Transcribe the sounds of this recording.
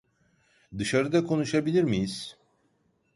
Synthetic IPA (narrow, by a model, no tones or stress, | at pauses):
d̪ɯʃaɾɯd̪akʰo̞nuʃabilʲiɾmijiz̥